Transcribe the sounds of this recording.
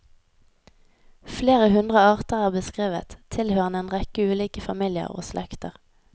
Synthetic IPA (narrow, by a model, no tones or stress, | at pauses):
fleːʁəhʉnd̪ʁəɑːʁt̪əʁæːʁbəskʁeːʋə̰t̪ʰɪlhøːʁəneːnʁɛkəʉːliːkəfɑmiːlɪə̰ʁo̰ːslʔɛkt̪əʁ